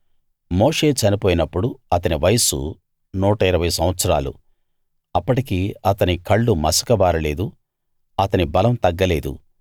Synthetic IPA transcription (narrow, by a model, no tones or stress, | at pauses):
moːʂe̞ːt͡ʃɐnipoːjinɐpːuɽuɐt̪ɐniʋɐjɐsṵ | nuːʈɐiɾɐʋɐjsɐm̃ʋɐt̪sɐɾaːlṵ | ɐpːɐʈikiːɐt̪ɐnikɐɭːumɐsɐ̥kɐʋaːɾɐle̞ːd̪u | ɐt̪ɐnibɐlɐmt̪ɐɡːɐleːd̪ṵ